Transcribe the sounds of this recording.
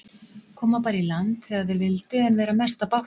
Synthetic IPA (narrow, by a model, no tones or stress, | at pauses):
kʰɔːmapaːɾilant̪θɛaðθɛɾvɪlt̪ʏɛnvɛːɾamɛst̪apawh